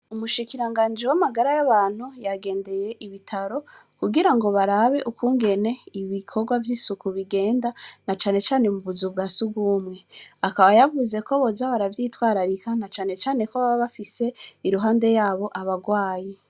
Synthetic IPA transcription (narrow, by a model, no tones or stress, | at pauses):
umuʃikiɾaŋɡaːnd͡ʒewamaɡaɾajaβaːn̥hujaɡe̞ːnde̞je̞ʔiβitʰaɾo̞ | kuɡiɾaŋɡo̞βaɾaβe̞ʔukuːŋɡe̞ne̞iβikʰo̞ɾɡwavjiːsukuβiɡe̞ːndanat͡ʃaːne̞t͡ʃaːne̞muβuzubɡaːsuɡuːmŋe̞akaβajavuze̞ko̞βo̞zaβaɾavjiːtwaːɾaɾikanat͡ʃaːne̞t͡ʃaːne̞koβaβaβafise̞iɾuɦaːnde̞jaːβo̞ʔaβaɡwaːje